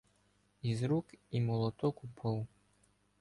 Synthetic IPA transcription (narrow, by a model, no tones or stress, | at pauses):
izɾukimɔlˠɔt̪ɔkupʰɔw